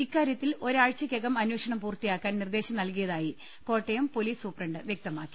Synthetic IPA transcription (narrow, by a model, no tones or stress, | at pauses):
ikːaːɾjɐt̪ːilo̞ɾaːɻt͡ɕːɐkeɣɐmɐnweːʂɐɳɐmpuːrt̪ijaːkːaːnnird̪e̞ːɕɐmnɐlkijɐðaːji | ko̞ːʈːejɐmpo̞liːsuːprɐɳɖɨʋjek̚t̪ɐmaːkːi̥